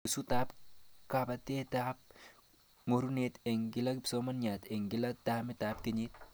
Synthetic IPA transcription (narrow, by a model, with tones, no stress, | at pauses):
su˦ta˦pka˨ba˨t̪e˦ta˦p̚ | ŋo˨ɾu˦ne˦t̪e˨ŋɡɪ˦la˦kpsoma˦nɲa˨t̪e˨ŋɡɪ˨la˦ta˦me˦tap̚ke˨ɲi˦t̪̚